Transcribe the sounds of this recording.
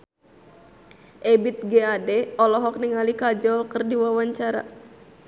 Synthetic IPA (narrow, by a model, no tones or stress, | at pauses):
ʔɛbit̪̚ɡeadɛɔlɔɦɔk̚niŋalikad͡ʒɔlkərdiwawaɲt͡ʃaɾa̰